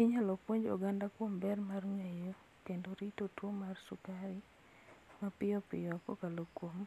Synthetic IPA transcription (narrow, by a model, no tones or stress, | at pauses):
iɲalopwoɲd͡ʒo̰ɡandakwombɛrmarŋejo | kendoɾitotwomarsʊkaɾi | mapɪjɔpɪjɔko̰kalokwom